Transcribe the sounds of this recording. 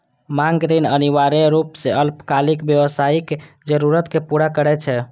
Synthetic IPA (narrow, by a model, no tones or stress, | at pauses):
maŋɡɾinəniʋaɾeɾupseəlpkalikbjəʋəsaike | d͡ʒəɾuɾət̪kepuɾakəɾɛt͡ʃʰɛ